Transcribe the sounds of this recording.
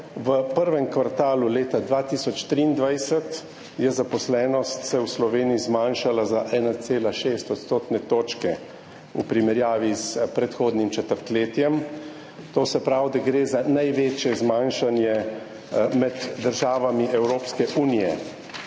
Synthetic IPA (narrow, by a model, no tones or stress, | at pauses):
ʋəpəɾʋɛmkʋaɾt̪aːluleːt̪ad̪ʋaːt̪isɔt͡ʃt̪ɾiːnd̪ʋajsət̪ | jɛzapɔslɛːnɔst̪sɛwslɔʋeːniizmaːnʃalazaʔɛːnat̪seːlaʃeːst̪ɔt̪st̪oːt̪nɛt̪oːt͡ʃkɛ | ṵpɾimɛɾjaːʋizpɾɛt̪xoːd̪nimt͡ʃɛt̪əɾt̪leːt̪jɛm | t̪oːsɛpɾawd̪aɡɾeːzanajʋeːt͡ʃjɛzmanʃanjɛ | mɛd̪ːəɾʒaːʋamiʔɛwɾoːpskɛʔuːnijɛ